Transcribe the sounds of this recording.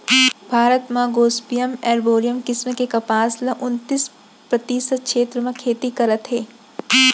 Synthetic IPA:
bʱaːɾət̪mãɡoːspijəmɛːɾboːɾijəmkɪsmekekɐpaːslɐʔʊnt̪iːs | pɾɐt̪iːsəkʃeːt̪ɾəmẽkʰeːt̪ikɐɾət̪ɦeː

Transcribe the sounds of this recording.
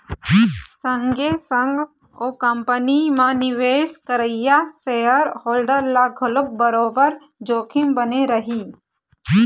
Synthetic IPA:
sə̃ŋɡesə̃ŋɡ | oːkəmpənimãnɪʋeːskəɾəɪjaseːəɾhoːlɖəɾlaɡʱʊlʊk̚bəɾoːbəɾ | d͡ʒoːkʰɪmbəneɾəɦiː

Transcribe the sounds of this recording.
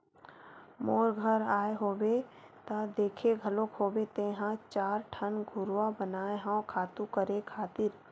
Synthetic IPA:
moːɾɡʱəɾaːeɦoːwe | t̪ad̪eːkʰeɡʱəlokɦoːbet̪eɦãt͡ʃaːɾʈʰənɡʱʊɾwabənaːeɦãõkʰaːt̪ũkəɾekʰaːt̪ɪɾ

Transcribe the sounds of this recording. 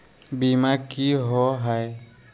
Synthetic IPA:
bimakiɦɔɦaj

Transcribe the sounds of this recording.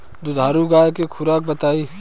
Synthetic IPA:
d̪ud̪ʱaːɾuɡaːjkekʰʊɾaːk̚bɐt̪aːi

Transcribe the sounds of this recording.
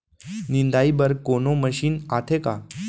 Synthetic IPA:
nind̪aibəɾkonoməɕiːnat̪ʰeka

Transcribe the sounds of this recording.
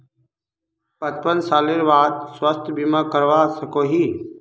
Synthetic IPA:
pət̪̚pənsaːleɾbaːd̪̚swəst̪ʰbimakəɾʋasəkoɦi

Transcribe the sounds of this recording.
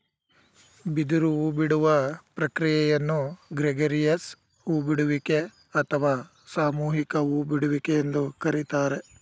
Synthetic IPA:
bid̪uɾuʋubiɽuʋɐpɾɐkɾijɛjɐnːuɡɾeɡɐɾijɐs | ubiɽuʋike | ɐt̪ʰɐʋaː | saːmuːɦikɐʋubiɽuʋikeend̪ukɐɾit̪aːɾe̞

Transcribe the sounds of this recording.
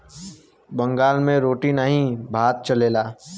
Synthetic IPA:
bə̃ŋɡaːlmẽɾoːʈinəɦĩbʱaːt̪̚t͡ʃɐleːlaː

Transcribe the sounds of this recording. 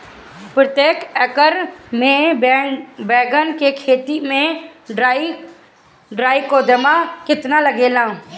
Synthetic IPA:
pɾət̪jeːkɛkəɾmẽ | bɛːɡənkekʰeːt̪imẽɖ | ɖɾaːikoːd̪əmakɪt̪naləɡeːlãː

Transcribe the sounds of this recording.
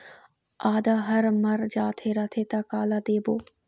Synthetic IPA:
aːd̪aɦɐɾmɐɾd͡ʒaːt̪ʰeɾɐt̪ʰet̪akaːlad̪eːboː

